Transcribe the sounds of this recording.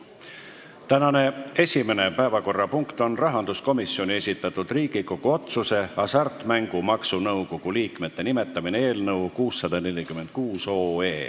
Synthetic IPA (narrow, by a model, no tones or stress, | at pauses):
t̪ænɑne̞e̞sʲime̞ne̞pæevɑko̞rːɑpuŋkt̪o̞nrɑɦɑnd̪̥usko̞misːio̞nʲie̞sʲit̪ːˑɑt̪ːˑud̪̥riːɡ̥iko̞ɡ̥uo̞t̪suse̞ɑsɑrt̪ˑmæŋɡ̥umɑksunɤwko̞ɡ̥uliːkme̞t̪ːe̞nime̞t̪ːˑɑminee̞ːlnɤwkuːsːɑd̪̥ɑne̞lʲikyme̞nd̪̥̚kuːso̞ːe̞ː